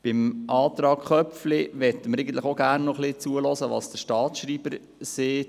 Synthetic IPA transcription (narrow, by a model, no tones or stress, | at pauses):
b̥ɪmʔɑːt̪ɾɑːkχœpflɪʋɛt̪ːəməɾɛɪɡn̩tləχoɡæːrnːɔχlɪt͡suəlɔsəʋɑ̰ːsd̥əʃtɑːtʃɾiːb̥əɾ | seːt